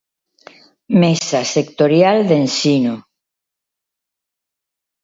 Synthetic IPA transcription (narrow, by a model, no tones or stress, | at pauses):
mesasekt̪oɾjald̪ensinu